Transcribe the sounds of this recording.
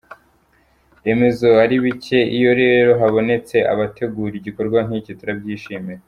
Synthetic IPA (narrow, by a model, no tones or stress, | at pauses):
e̞me̞zo̞aɾiβice̞ijo̞ɾeːeɾo̞ɦaβo̞ne̞t͡se̞ʔa̰βate̞ɡuːɾiɟiko̞ɾɡwan̥icituɾabɟiːʃiːme̞